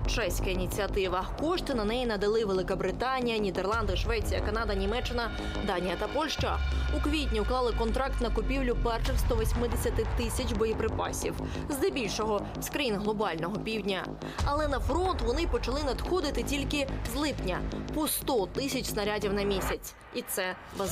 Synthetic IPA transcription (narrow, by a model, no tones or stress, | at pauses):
t͡ʃɛsʲkɐinʲit͡sʲiɐt̪ɪʋɐkɔʃt̪ɪnɐnɛjinɐd̪ɐlˠɪʋelˠɪkɐbɾɪt̪ɑnʲijɐnʲid̪erlˠɑnd̪ɪʃʋɛt͡sʲijɐkɐnɑd̪ɐnʲimɛt͡ʃːɪnɐ | d̪ɑnʲijɐt̪ɐpɔlʲʃt͡ʃɐukʋʲitʲnʲiuklˠɑlˠɪkɔnt̪ɾɑk̚t̪nɐkʊpʲiwlʲʊpɛrʃɐxst̪ɔʋɔsʲmɪd̪esʲɐt̪ɪt̪ɪsʲɐt͡ʃʲbɔjipɾɪpɑ̰sʲḭw | zd̪ɛbʲilʲʃɔɦɔ | skɾɐjinɦlˠɔbɑlʲnɔɦɔpʲiwdʲnʲɐ | ɐlˠɛnɐfɾɔnt̪ʋɔnɪpɔt͡ʃɐlˠɪnɐd̪xɔd̪ɪt̪ɪtʲilʲkɪzlˠɪpnʲɐpɔst̪ɔt̪ɪsʲɐt͡ʃʲsnɐɾʲadʲiwnɐmʲisʲɐt͡sʲ | it̪sɛ | bɐz